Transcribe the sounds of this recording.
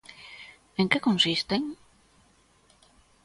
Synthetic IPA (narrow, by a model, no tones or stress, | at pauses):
eŋkekõnsist̪eŋ